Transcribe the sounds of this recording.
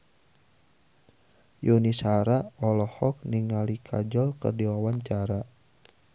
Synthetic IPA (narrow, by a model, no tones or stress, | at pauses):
junisaɾaɔlɔhɔk̚niŋalikʰa̰d͡ʒɔlkə̰rdiwawaɲt͡ʃaɾa